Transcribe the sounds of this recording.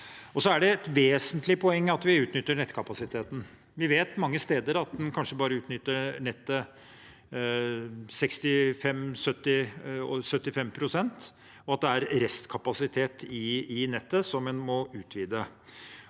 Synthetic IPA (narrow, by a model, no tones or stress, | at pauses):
ɔsɔæɖɛɛt̪ʋeːsənt̪lɪpʰɔɛŋːəɑt̪ʋɪʉːt̪nʏt̪ːəɳɛt̪ːkʰɑpɑsɪt̪ʰeːt̪n̩ | ʋɪʋeːt̪mɑŋːəst̪eːd̪əɾɑt̪̚d̪ɛnkʰɑnʂəbɑːɾəʉːt̪nʏt̪ːəɳɛt̪ːə | sɛkst̪ɪfɛmsœt̪ːɪɔsœt̪ːɪfɛmpʰɾʊsɛnt̪ | ɔɑt̪̚d̪ɛæɾɾɛst̪kʰɑpɑsɪt̪ʰeːt̪ɪɪnɛt̪ːəsɔmɛnmɔʉːt̪ʰʋiːd̪ə